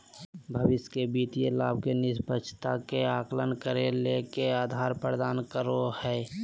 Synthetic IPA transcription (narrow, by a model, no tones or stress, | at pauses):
bʱəʋɪskebiːt̪ijelaːbʱkenɪspət͡ʃʰt̪akeaːklənkəɾelekeaːd̪ʱaːɾpəɾd̪aːnkəɾohɛː